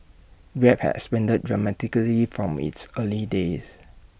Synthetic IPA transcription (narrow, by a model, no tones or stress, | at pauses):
ɹɛp̚hɛ̰tspɛ̃ndəd̚dɹamɛtikəlifɹɔ̃mḭtsəlides